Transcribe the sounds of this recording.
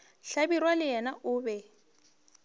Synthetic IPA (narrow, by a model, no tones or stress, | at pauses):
ɬabirwalɪjɛnaʔʊːbɛ